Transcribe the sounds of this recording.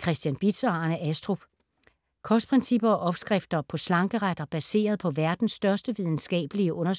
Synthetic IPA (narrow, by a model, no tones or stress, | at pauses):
kʰʁɛsd̥jænb̥id̥sɑnəʔæsd̥ʁub̥ | kʰɒsd̥pʰʁɛnsib̥ɐɒ̽ʔɒ̽b̥sɡ̥ʁafd̥ɐpʰɒ̽slɑ̈ŋɡ̥əʁad̥ɐb̥æse̝̰ːɐðˠpʰɒ̽ʋæɐd̥n̩sd̥ɶɐsd̥əʋið̞ˠn̩sɡ̥ɛ̰ːb̥əliəʔɔ̽nɐs